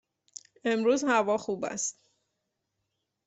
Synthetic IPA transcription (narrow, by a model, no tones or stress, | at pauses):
e̞mɾuːzhævɒːxuːbæ̰st̪